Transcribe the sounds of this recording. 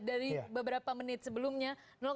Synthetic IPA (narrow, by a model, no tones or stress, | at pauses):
daɾibəbəɾapamənɪt̪səbəlumɲa | nɔk